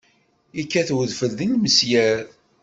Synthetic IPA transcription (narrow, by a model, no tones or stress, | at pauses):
ikːæθwəðfəlðəŋməsjæɾ